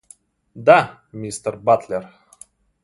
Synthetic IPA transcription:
d̪a | mʲist̪ərbat̪lʲer

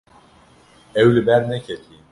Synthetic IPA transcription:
ɛwlɨbæɾnɛcʰɛt̪ʰi

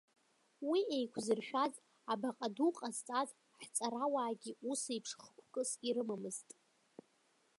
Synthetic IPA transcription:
wiejkʷʰzɨrʃᶣaz | abaqʼaduqʼazt͡sʼaz | ħt͡sʼaɾawaːɡʲiusajpʰʂχkʷʰkʼɨsiɾɨmamɨztʼ

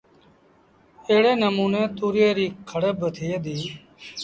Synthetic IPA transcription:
eːɽeːnəmuːnẽːt̪uːɾɪjeːɾiːkʰəɽəbt̪ʰiːd̪iː

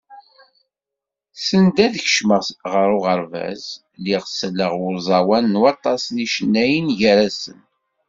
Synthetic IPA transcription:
sənd̪æðçə̥ʃməʁʁəɾʊʁəɾvæ̰z | liʁsəlːəʁʊɾzˤɑwænːwɑt̪ˤɑsniʃnːæjənʝəɾæsən

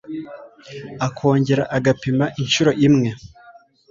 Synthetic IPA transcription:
akʰo̞ːɲɟe̞ɾaʔaɡapimaʔinʃuɾo̞ʔimŋe̞

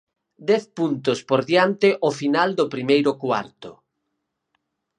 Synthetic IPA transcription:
d̪ɛθpunt̪ʊspoɾðjant̪ɪʔofinald̪ʊpɾimejɾʊkwa̰ɾt̪ʊ

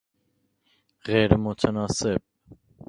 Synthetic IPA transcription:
ʁɛɾəmɔt̪ʰənɑsɛp̚

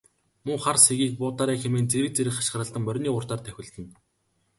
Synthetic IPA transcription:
mʊːχarseɣiːk̚pʊːt̪aːɾiːxemeːnt͡seɾɘ̆k̚t͡seɾɘ̆kχḁʃ̆ə̆rə̆ɮt̪ə̆mpœɾʲniːʊrt̪aːrt̪ʰæxʲɪ̆ɮt̪ɘ̆n

